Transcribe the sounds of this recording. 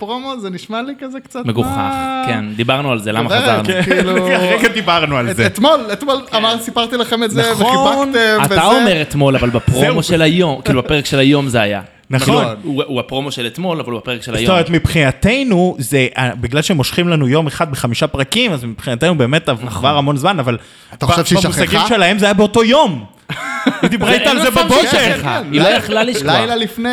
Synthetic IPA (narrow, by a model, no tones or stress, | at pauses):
pʁomozeniʃmalikazekt͡satmeɡuχa̰kend̪ibaʁnualzelamaazaʁnuluaʁeɡad̪ibaʁnualzeet̪molet̪molamaʁsipaʁt̪ilaχemezaeveiat̪eataomeʁet̪mo̞lavalbapʁomoʃelajomkilubepeʁekʃelajo̞mzeaja̰ | nanuuapʁo̞moʃelet̪mo̞lavalubapeʁekʃelajt̪omeʁet̪mipχinat̪e̞jnuzeʔabiɡlalʃemo̞ʃχimlanujo̞meχad̪̚beχamiʃapʁakimazmipχinat̪enube̞ːmetavaχvaʁamo̞nzmanaval | abvʃbmusaɡiʃelahe̞mzeajabeo̞to̞jo̞m | id̪ibʁaj̪aːlzebabokeeχailojeχlalːiʃajlalifne